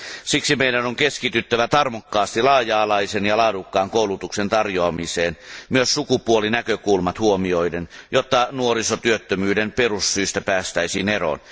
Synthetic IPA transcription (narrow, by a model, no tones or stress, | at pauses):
siksimeidænoŋkeskit̪yt̪ːæʋæt̪ɑrmokːɑːst̪ilɑːjɑːlɑisenjɑlɑːdukːɑːŋkoulut̪uksent̪ɑrjoɑmiseːnmyøssukupuolinækøkulmɑt̪huomioidenjot̪ːɑnuoɾisot̪yøt̪ːømyːdemperussyːst̪æpæːst̪æisiːnero̰n